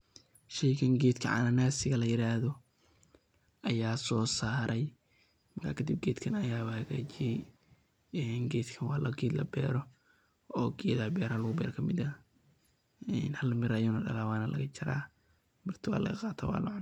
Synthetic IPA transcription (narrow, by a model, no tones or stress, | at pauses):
ʃɛjkɐŋɡɛːd̪kʰɐ̰ʕa̰nɐnaːsɪɣɐlɐjɪɾaːhðɔ | ʔɐjaːsɔːsaːɾɛj | mɐrkʰaːkʰɐd̪ɪb̚ɡɛːd̪kʰɐnɐjaːβɐhɐɣaːt͡ʃɪjɛj | ɛnɡɛːd̪kʰɐnwɑːlɐɡeːd̪lɐ̰bɛ̰ːɾɔ | ɔːɡɛːd̪ɐbɛːɾhalʊɣʊbɛ̰ːɾkʰɐmɪd̪ɐ | ɛːnhɐlːɐmɪɾɐjɔnɔːɖɐ̰laːwaːnɐlɐ̰ɣɐt͡ʃɪɾa̰ː | mɪrt̪ʰɪwa̰ːlɐ̰ɣɐqɑːt̪ʰa̰ːwɑ̰ːlɐ̰ʕʊn